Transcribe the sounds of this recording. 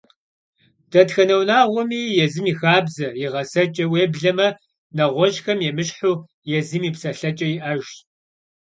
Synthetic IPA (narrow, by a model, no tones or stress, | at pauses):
d̥ɐtxɐnɐwnaːʁʷɔmiːjɛzɨmiːxaːbzɐjɪʁɐsɐt͡ʃʼɐweːbɮɐmɐ | nɐʁʷɔʒxɐmjɛmɨɕħuː | jɛzɨmiːpsɐɬɐt͡ʃʼɐjɪʔɐʒ